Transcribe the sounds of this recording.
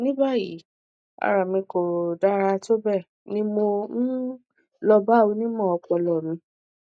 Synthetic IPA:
nĩ˦ba˦˨jḭ˨˦ | a̰˨ɾa˨mĩ˧ko˨da˦ɾa˧to˦bɛ˦˨ | nĩ˦mo˧n̩˦ | lɔ˧ba˦˨o˧nĩ˦mɔ̃˦˨ɔ˧k͡pɔ˧lɔ˨mĩ˧˦

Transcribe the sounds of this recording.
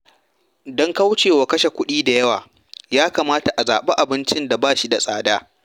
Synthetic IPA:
dɔ˦ŋka˦wʊ˦t͡ʃeː˨wa˨kɐ˦ʃe˨kʷʊ˦ɗiː˦da˨jɐ˦wa̰ː˨ | jaː˦kaː˨maː˦ta˨ʔa˨zaː˨ɓe˦ʔa˨bɪ˦nt͡ʃɪ˦nda˨baː˦ʃi˦da˨sʼaː˦˨daː˦

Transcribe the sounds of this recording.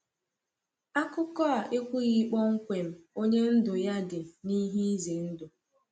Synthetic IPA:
a˦kʊ˦kɔ˦a˨ʔe˦kʷu˦ɣi˦k͡pɔ˦ŋ̩˦kʷe˨m̩˦o˦ɲe˦n̩˦dʊ˨ja˦dɪ˨ni˦ɦi˦i˦ze˨n̩˦dʊ˨

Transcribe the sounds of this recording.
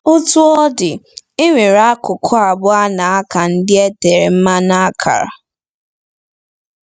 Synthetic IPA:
ʊ˦tu˦ɔ˦dɪ˨ | ɪ˦ŋʷi˨ɾa˦kʊ˨kʰʊ˦a˨bʊ˦a˦na˨a˦ka˨n̩˦dɪ˦e˦te˨ɾe˨m̩˦ma˦na˦a˦kʰa̰˨ɾa̰˨

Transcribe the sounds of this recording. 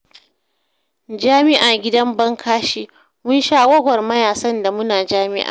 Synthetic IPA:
d͡ʒaː˦mɪ˦ʔaː˨ɡʲɪ˦dɐ˦mbɐ˦ŋkʰaː˦ʃiː˦ | mʊ˦nʃaː˦wɐ˦ɡʷɔ˨rmɐ˦jaː˨sɐ˦nda˨mʊ˦naː˨d͡ʒaː˦mɪ̰˦ʔa̰ː˨

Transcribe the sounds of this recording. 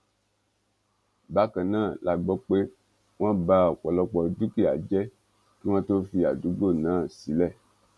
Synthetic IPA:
ba˦kɛ˨nã˦˨la˨ɡ͡bɔ˦k͡pe˦ | ŋ˦ã˦ba˦˨kɔ˨lɔ˨˦k͡pɔ˨du˦ki˦˨a̰˨d͡ʒɛ˦ | ke˦w̃ã˦t̪o˦fi˨a̰˨du˨˦ɡ͡bo˦˨nã˨˦˨si˨lɛ˦˨

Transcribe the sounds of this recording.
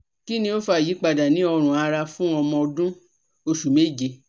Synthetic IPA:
ki˦nĩ˧o˦fa˧˨ji˨˦k͡pa˧˨da˨nĩ˨˦ɔ˧ɾ̃ũ˨a˧ɾa˧fũ˦ɔ˧mɔ̃˧ɔ˧dũ˦ | o˧ʃu˨me˦˨d͡ʒi˧

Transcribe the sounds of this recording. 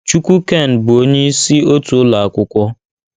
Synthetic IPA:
t͡ʃu˦kʷu˦ke˦˨n̩˨bʊ˨o˦ɲe˦si˦o˦tu˨˦la˨a˨kʷʊ˦kʷɔ˦

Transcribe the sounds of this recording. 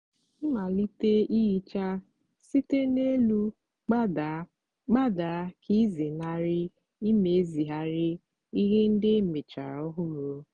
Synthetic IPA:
i˦ma˨li˦te˦i˦i˦t͡ʃa˦ | si˦te˦ne˦lu˦ | k͡p | ɡ͡ba˦da˨˦ki˦zi˨na˦ɾɪ˦ | i˦me˨˦zi˨ɦa˦ɾɪ˦ | i˦ɣe˦n̩˦dɪ˦me˨t͡ʃa̰˨ɾɔ˦ɦʊ˦ɾo˨

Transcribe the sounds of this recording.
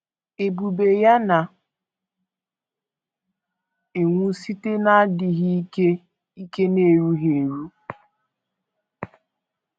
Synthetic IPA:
e˨bu˨be˨ja˦na˨ | e˨ŋʷu˦si˦te˦na˦a˦dɪ˨ɦi˦ke˦ | i˦ke˦ne˨ɾu˦ɦe˨ɾu˦

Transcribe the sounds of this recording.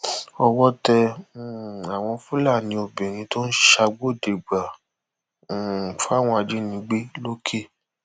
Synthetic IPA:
ɔ˧wɔ˦tɛ˧˨ | a˨w̃ɔ̃˧fũ˦la˦˨nĩ˧˦o˧bĩ˨ɾ̃ĩ˧to˦n̩˦ʃa˧ɡ͡bo˦˨de˨ɡ͡ba˨ | fa˦˨w̃ɔ̃˧a˧d͡ʒi˨˦nĩ˧˦ɡ͡be˦lo˦kʰe˦˨

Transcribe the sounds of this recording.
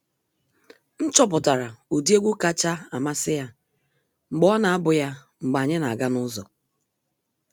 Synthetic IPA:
n̩˦t͡ʃɔ˦p̬ʊ˨ta˨ɾa˨u˨di˦e˦ɡʷu˦ka˦t͡ʃa˦a˨ma˦sɪ˦ja˦ | ŋ͡m̩˨ɡ͡bɔ˦na˨a˦bʊ˨ja˦ | ŋ͡m̩˨ɡ͡ba˨ɲɪ˦na˨ɡa˦nʊ˦zɔ̰˨

